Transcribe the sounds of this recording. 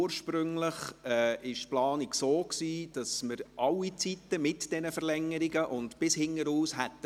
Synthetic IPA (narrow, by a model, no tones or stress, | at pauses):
əɾʃpɾʏŋləχɛʔɪʃtplɑːniksoːksiːd̥ɑsməɾʔɑlːit͡sitəmɪtd̥ɛnəfəɾlɛŋːəɾiɡəʔʊntb̥ɪshɪŋːəɾuːshɛtː